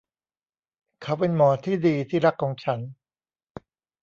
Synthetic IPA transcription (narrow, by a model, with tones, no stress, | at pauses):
kʰa˦˥wpe˧nmɔː˩˦t̪ʰiː˥˩diː˧t̪ʰiː˥˩ɾa˦˥kʰːɔː˨˦ŋt͡ɕʰa˦˥n